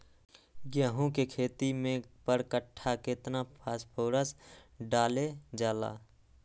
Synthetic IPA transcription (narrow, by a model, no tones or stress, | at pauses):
ɡjaːɦõkekʰeːt̪imẽpəɾkəʈʰːaket̪napʰaːspʰoːɾəsɖaːled͡ʒaːla̰ː